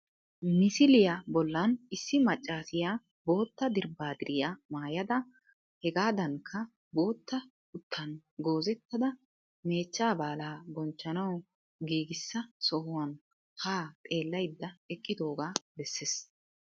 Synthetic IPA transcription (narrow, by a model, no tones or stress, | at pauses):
mɪsɪlɪjɐbɔlːɐnɪsːɪmɐt͡ʃʼːaːsɪjaː | bo̞ːt̪ːɐd̪ɪɾbaːd̪ɪɾɪjamaːjɐd̪ɐ | hɛɡaːd̪ɐŋkʰːɐ | bo̞ːt̪ːɐ | ʊt̪ʰːɐnɡo̞ːzɛt̪ːɐd̪ɐ | me̞ːt͡ʃːaːbaːlaːɡɔnt͡ʃːɐnɐw | ɡiːɡɪsːɐsɔhʊwɐn | haːt̪ʼe̞ːlːɐjd̪ːɐɛkʼːɪd̪o̞ːɡaːbɛsːeːs